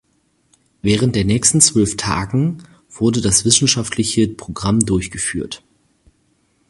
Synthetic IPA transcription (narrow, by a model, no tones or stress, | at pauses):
vɛːʁ̞əntd̥eːɐnɛːçstn̩t͡sv̥œlftʰa̰ːɡŋ̩ | v̥ʊɐdədasv̥ɪsn̩ʃaftʰlɪçəpʁ̥oɡʁamdʊɐçɡ̥əfy̰ːɐt